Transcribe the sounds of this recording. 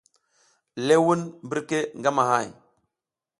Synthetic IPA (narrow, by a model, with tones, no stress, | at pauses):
le˦wu˦nmbi˦ɾke˦ŋɡa˦ma˨ha˦˨j